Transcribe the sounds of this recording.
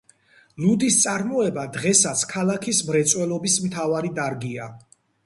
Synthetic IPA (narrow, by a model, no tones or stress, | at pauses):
lud̪ist̪sʼaɾmɔɛbad̪ʁɛsat̪sʰkʰalˠakʰismɾɛt̪sʼwɛlˠɔbismt̪ʰavaɾid̪aɾɡia